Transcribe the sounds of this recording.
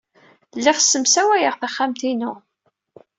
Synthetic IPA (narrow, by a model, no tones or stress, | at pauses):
lːiʁsːəmsæwæjəʁθæχːamt̪inu